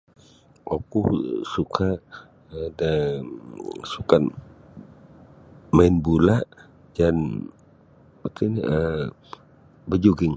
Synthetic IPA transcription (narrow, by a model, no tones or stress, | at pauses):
okusukʰa | əda | sukan | maɪnbulaʔ | d͡ʒan | ət̪uniə | bəd͡ʒuɡɪŋ